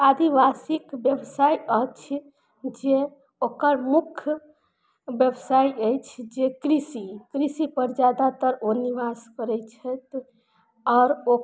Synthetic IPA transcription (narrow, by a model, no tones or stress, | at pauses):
ad̪iʋasikbjəbsajət͡ʃʰ | d͡ʒe | okəɾmukʰ | bjəbsajəjt͡ʃʰd͡ʒekɾisikɾisipəɾd͡ʒad̪at̪əɾoniʋaskəɾɛt͡ʃʰət̪ | ɔɾo